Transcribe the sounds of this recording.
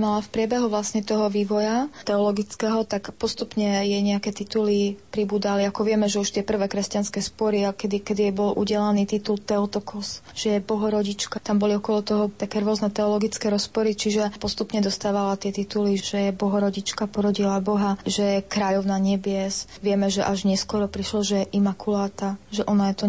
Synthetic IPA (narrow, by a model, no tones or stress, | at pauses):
malafpɾɪɛbɛɦuʋlasɲɛt̪ɔɦɔʋiːʋɔjat̪ɛɔlɔɡit͡skɛɦɔt̪akpɔst̪upɲɛjɛɲɛakɛt̪it̪ulipɾibuːd̪aliakɔʋɪɛmɛʒɛuʃt̪ɪɛpr̩ʋɛːkɾɛscanskɛspɔɾiakɛd̪ikɛd̪ijɛbɔlʔṵɟɛlaniːt̪it̪ult̪ɛɔt̪ɔkʰɔsʒ̥ɛjɛbɔɦɔɾɔɟit͡ʃkat̪ambɔliɔkɔlɔt̪ɔɦɔt̪akɛːɾʊɔznɛt̪ɛɔlɔɡit͡skɛɾɔspɔɾit͡ʃiʒɛpɔst̪upɲɛd̪ɔst̪aːʋalat̪ɪɛt̪it̪uliʒ̥ɛjɛbɔɦɔɾɔɟit͡ʃkapɔɾɔɟilabɔɦaʒɛjɛkɾaːʎɔʊnaɲɛbɪɛsʋɪɛmɛʒɛʔaʒɲɛskwɔɾɔpɾiʃlɔʒɛjɛʔimakʰulaːt̪aʒɛʔɔnajɛt̪ɔ